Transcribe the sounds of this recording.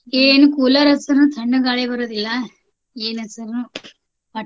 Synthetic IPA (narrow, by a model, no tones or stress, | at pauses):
eːnukulɐɾɐsɐɾnũt̪ʰɐɳːɯɡaːɭeʋɐɾɐðilːɐ | eːnɐsɐɾnu | pɐ